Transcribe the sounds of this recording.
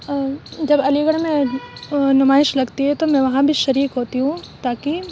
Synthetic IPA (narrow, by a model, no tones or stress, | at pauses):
d͡ʒɐbɐliːɡəɽ̃mẽ | nʊmaːɪʃlɐɡt̪iɦɛt̪omɛ̃ʋɐɦãbʱiʃɐɾiːkɦoːt̪iɦũt̪aːki